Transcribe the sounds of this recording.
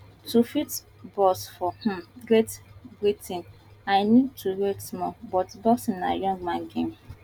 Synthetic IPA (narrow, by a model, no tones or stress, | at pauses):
tufit | bɔsfɔh̩ɡɾetɡitʰĩn | ajnid̚tʰuɾetsmɔbɔtbɔsna̰jɔ̃ŋɡ̚mãŋɡem